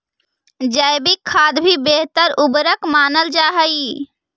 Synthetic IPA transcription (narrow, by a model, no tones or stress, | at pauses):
d͡ʒajbikʰːaːd̪bʱibeɦt̪əɾubɾəkmaːnəld͡ʒaɦəi